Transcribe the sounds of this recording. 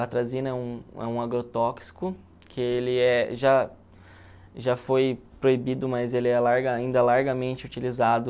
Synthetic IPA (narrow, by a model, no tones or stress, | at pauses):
at̪ɾazĩnɐɛũɛ̰ũaɡɾot̪ɔksi̥kʊ | kʰɪelɪɛʒa | ʒafojpɾoibid̪ʊmɐzelɪɛlaɾɡɐaĩnd̪ɐlaɾɡɐmẽnt͡ʃɪut͡ʃilizad̪ʊ